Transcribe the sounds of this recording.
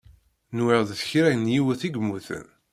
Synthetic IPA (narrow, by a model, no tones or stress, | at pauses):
nwəʁðθçɾæjənjiwəθiɡmːuθə̰n